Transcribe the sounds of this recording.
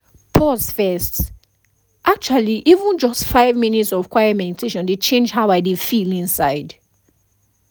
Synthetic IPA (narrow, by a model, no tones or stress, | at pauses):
pʰɔsfɛst | ʔak̚t͡ʃualiʔivə̃nd͡ʒɔstfaɪvminitsɔv̥kʰwaɪɛmɛditʰeʃɔ̃ndet͡ʃẽnd͡ʒɦabaɪdefilĩnsaɪd